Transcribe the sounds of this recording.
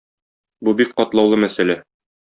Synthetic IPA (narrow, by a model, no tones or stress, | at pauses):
bubik̚qɒt̪lˠɑwlˠɤmæsælæ